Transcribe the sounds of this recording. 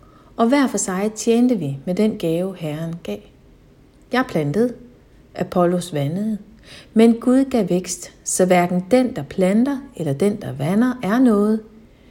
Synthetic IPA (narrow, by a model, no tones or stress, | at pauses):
ʔɒ̽ʋæɐ̰fɒsɑ̈ɪt͡sʰjeːnd̥əʋimed̥enɡ̥ɛːʊhæɐnɡ̥ɛ̰ː | jɑ̈ɪpʰlænd̥əð̞̩ˠ | ʔæpʰɒlo̝sʋænəð̩ˠ | menɡ̥uð̞ˠɡ̥ɛʋeɡ̥sd̥sɒ̽ʋæɐɡ̥n̩d̥end̥ɑ̈pʰlænd̥ɐelɐd̥end̥ɑ̈ʋænɐʔæɐnɔ̽ːð̞̩ˠ